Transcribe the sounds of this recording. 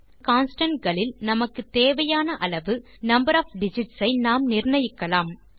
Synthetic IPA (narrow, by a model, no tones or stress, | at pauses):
kaːnsʈɐɳʈɡɐɭɪlnɐmɐkːɯt̪eːʋɐjaːnɐʔɐɭɐʋɯ | nɐmbɐɾaːfɖɪd͡ʒɪʈsɐɪnaːmnɪɾnɐjɯkːɐlaːm